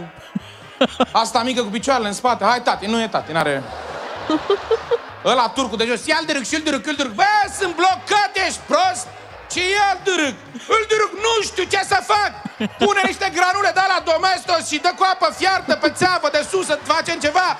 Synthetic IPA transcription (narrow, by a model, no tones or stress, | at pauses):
ast̪amikəkup̬it͡ʃoaɾeleɨnspat̪ehajt̪at̪inːujet̪at̪inaɾe | əlat̪urkud̪eʒosijald̪ɨɾɨɡʃiɨld̪ɨɾɨkɨld̪ɨɾɨɡ̚bəsɨnblokːət̪jeʃt̪̚ʲpɾost̪̚ | ʃijeld̪ɨɾɨɡ̚ | ɨld̪ɨɾɨknuʃt̪it͡ʃesəfak̚puneniʃt̪e̞ɡɾanuled̪əlad̪omest̪osʃid̪əkuapəfjart̪əpet̪seavəd̪esusəfat͡ʃemt͡ʃeva